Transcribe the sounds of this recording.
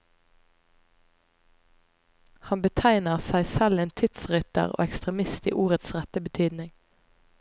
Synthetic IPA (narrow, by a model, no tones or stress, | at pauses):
hɑnbət̪ʰæɪnəʁsæɪsɛleːnt̪ʰʏt̪sʁʏt̪ə̰ʁo̰ːɛkst̪ʁɛmɪst̪ḭːʔuːʁət̪sʁɛt̪əbət̪ʰyːd̪nɪŋ